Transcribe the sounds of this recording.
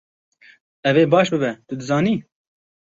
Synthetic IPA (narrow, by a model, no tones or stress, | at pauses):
ɛveːbɑːʃbɨbɛt̪ʊd̪ɨzɑːniː